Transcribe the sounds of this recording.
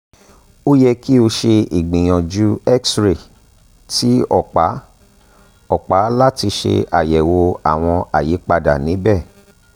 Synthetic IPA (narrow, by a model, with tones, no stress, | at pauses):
o˦jɛ˧ki˦o˧ʃe˧i˨ɡ͡bĩ˨j̃ɔ̃˨d͡ʒu˨˦ɛ˦ksɾe˨ | ti˨˦ɔ˦˨k͡pa˨˦ | ɔ˦˨k͡pa˨˦la˦ti˧ʃḛ˧ʔa̰˨jɛ˨wo˧a˨w̃ɔ̃˧a˨ji˨˦k͡pa˧da̰˨nĩ˨˦bɛ˦˨